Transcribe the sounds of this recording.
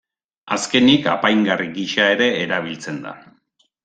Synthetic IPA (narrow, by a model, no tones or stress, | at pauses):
aske̞nika̰pajŋɡariɡiʃae̞ɾe̞ːɾaβ̞ilt͡se̞nd̪a̰